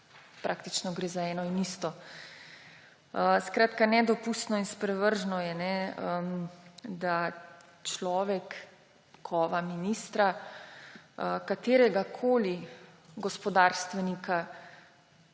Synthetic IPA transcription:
pɾʔaːk̚t̪it͡ʃnɔɡɾeːzaɛːnɔinist̪ɔ | skɾaːt̪kanɛd̪ɔpust̪nɔinspɾɛʋəɾʒnɔjɛnɛəmd̪a | t͡ʃlɔːʋɛkːʰ | ɔʋaminist̪ɾa | əkat̪eːɾɛɡakʰoːli | ɡɔspɔd̪aɾst̪ʋɛnika

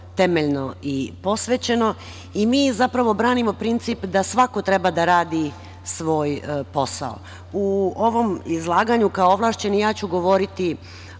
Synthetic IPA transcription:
t̪e̞meʎno̞ipo̞sʋet͡ɕe̞no̞ | imiːzapɾaʋo̞bɾaːnimo̞pɾint̪sipd̪asʋako̞t̪ɾe̞bad̪aɾaːd̪i | sʋo̞ːjpo̞sa̰o̰ | uoʋo̞mizlˠaːɡaɲukaooʋlˠaːʃt͡ɕe̞nijaːt͡ɕuɡo̞ʋo̞ɾit̪i

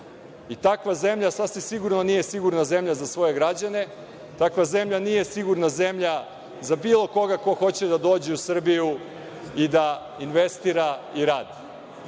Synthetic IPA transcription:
it̪akʋaze̞mʎasasimsiɡuɾnonije̞siɡuɾnaze̞mʎazasʋo̞je̞ɡɾad͡ʑane̞ | t̪akʋaze̞mʎanije̞siɡuɾnaze̞mʎa | zabiːlˠo̞ko̞ɡako̞xo̞t͡ɕe̞d̪ad̪o̞ːd͡ʑeusr̩biju | id̪a | inʋest̪iɾaiɾaːd̪i

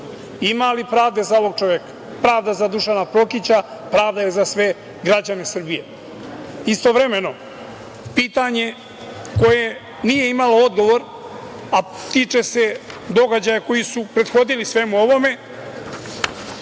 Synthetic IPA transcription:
imalipɾaːvd̪e̞zaoʋo̞ɡ̚t͡ʃoʋjekḁ | pɾaːvd̪azad̪uʃanapɾo̞kit͡ɕapɾaːvd̪ajezasʋe̞ | ɡɾad͡ʑanesr̩bije̞ | ist̪o̞vɾeme̞no̞ | piːt̪aɲe̞ | ko̞je | nije̞imalo̞od̪ɡo̞ʋo̞ɾ | at̪iːt͡ʃese̞d̪o̞ɡad͡ʑajako̞jisupɾe̞d̪xo̞d̪ilisʋe̞muo̞ʋo̞me̞

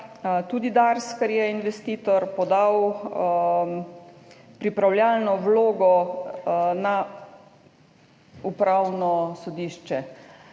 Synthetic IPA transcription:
t̪uːd̪id̪aɾskɛɾjɛinʋɛst̪iːt̪ɔɾpɔd̪aw | pɾipɾawljaːlnɔwloːɡɔ | na | upɾawnɔsɔd̪iːʃt͡ʃɛ

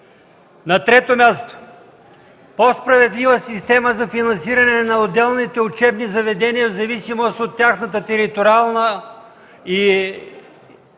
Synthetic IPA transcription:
nɐt̪ɾɛt̪omʲjast̪o̥ | pospɾɐvɛd̪livəsist̪ɛməzɐfinɐnsiɾɐnɛnɐod̪ɛlˠnit̪ɛʊt͡ʃɛbnizɐvɛd̪ɛnijɐvzɐvisimost̪ot̪ːʲaxnət̪ət̪ɛɾit̪oɾialˠnə | i

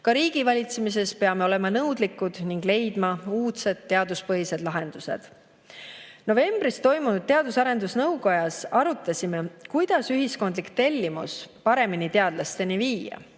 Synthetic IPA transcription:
kɑɾiːɡ̥ivɑlʲit̪semis̬e̞spe̞ɑme̞o̞le̞mɑnɤwd̪likːˑud̪̥niŋɡ̥le̞jd̪̥mɑuːt̪se̞d̪̥̚t̪ːe̞ɑd̪uspɤɦise̞d̪lɑɦe̞nd̪̥use̞̰d̪̥ | no̞ve̞mb̥ɾist̪o̞jmunud̪̥̚t̪e̞ɑd̪usɑɾe̞nd̪usnɤwɡo̞jɑsɑɾut̪ːˑɑsʲime̞kujd̪̥ɑsyɦisko̞nd̪likt̪e̞lʲːimṵspɑɾe̞minit̪e̞ɑd̪̥lɑst̪e̞niviːjɑ̰

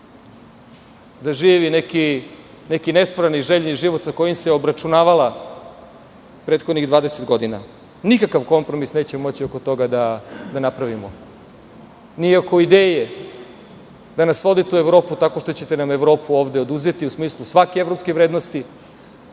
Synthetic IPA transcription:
d̪aʒiːʋineki | nekinest̪vʋaɾaniʒeʎniʒiʋot̪sako̞jimseobɾat͡ʃunaːʋala | pɾeːt̪xod̪niɣd̪ʋaːd̪eset̪ɡo̞d̪ina̰ | nikakaʋko̞mpɾo̞misne̞ːt͡ɕemo̞t͡ɕioko̞t̪o̞ɡad̪ad̪anapɾaʋimo | niako̞id̪eːje | d̪anasʋo̞d̪it̪ueʋɾo̞ːput̪ako̞ʃt̪ot͡ɕe̞t̪enameʋɾo̞ːpuoːʋd̪eod̪uzet̪iusmiːslˠusʋakeevɾo̞pskeʋɾeːd̪nost̪i

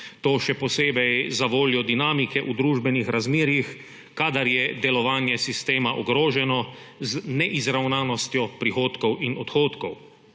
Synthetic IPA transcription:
t̪oːʃɛpɔseːbɛjzaʋoːljɔd̪inaːmikɛʔud̪ɾuːʒbɛnixɾʔazmeːɾjix | kaːd̪aɾjɛd̪ɛlɔʋaːnjɛsist̪eːmaʔɔɡɾoːʒɛnɔ | znɛʔizɾawnaːnɔst̪jɔpɾixoːt̪kɔwʔinɔt̪xoːt̪kɔw

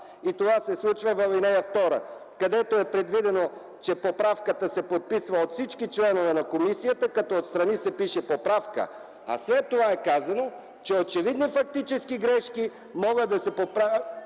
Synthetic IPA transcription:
it̪ovasɛslˠut͡ʃvəvɐvinɛjəft̪ɔɾə̰ | kɐd̪ɛt̪oɛpɾɛd̪vid̪ɛno | t͡ʃɛpopɾafkət̪əsɛpot̪̚pisvəot̪fsit͡ʃkit͡ʃlɛnovɛnɐkomisijət̪əkɐt̪ɔot̪st̪ɾɐnisɛpiʃɛpopɾafkə̰ | ɐ̰slɛt̪ːovaɛkazɐno | t͡ʃɛot͡ʃɛvid̪nifɐk̚t̪it͡ʃɛskiɡɾɛʃki | mɔɡəd̪ɐsɛpopɾa

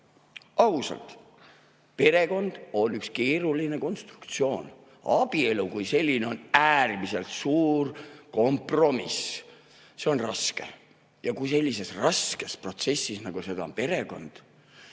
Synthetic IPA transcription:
ɑusɑ̰lt̪ | pe̞ɾe̞ko̞nd̪̥o̞nykske̞ːɾuline̞ko̞nst̪ru̥kt̪sio̞ːn | ɑb̥ie̞lukujse̞lʲːine̞o̞næːrmise̞lt̪suːrko̞mpro̞mis | se̞o̞nrɑske̞̰ | jɑkujse̞lʲːise̞srɑske̞spro̞t̪se̞sːisnɑɡ̥use̞d̪̥ɑonpe̞ɾe̞ko̞̰nd̪̥

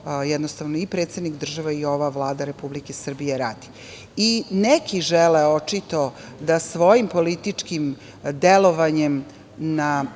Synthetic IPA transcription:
jɛd̪nost̪aʋnoipɾet̪sed̪nikd̪r̩ʒaʋaio̞ʋaʋlˠaːd̪aɾe̞publikesr̩bijeɾa̰ːd̪i̥ | inekʰiʒɛleo̞t͡ʂit̪o̞ | d̪asʋo̞jimpolit̪it͡ʂkim | d̪eloʋaɲem | na

